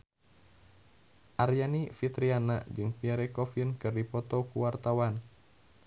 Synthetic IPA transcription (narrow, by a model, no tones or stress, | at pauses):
ʔarjanifit̪ɾianad͡ʒɨŋpiaɾɛkɔfinkɨrdipɔt̪ɔkuwart̪awan